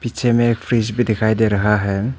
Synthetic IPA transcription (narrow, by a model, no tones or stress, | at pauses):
pit͡ʃʰemepʰɾisbidikʰajdeɾaɦaɦem